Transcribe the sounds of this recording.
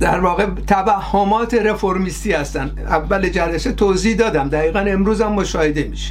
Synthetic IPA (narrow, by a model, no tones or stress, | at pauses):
d̪̥æ̰ɾvɒːɣet̪ʰæbæhːomɒːt̪ʰeɾe̞foɾmiːst̪iːhæst̪æn | ævːæled͡ʒæɾeset̪ʰoːzihd̪ɒːd̪æmd̪æɣiːɣæne̞mɾuːzæmːoʃɒːhed̪emiːʃe̥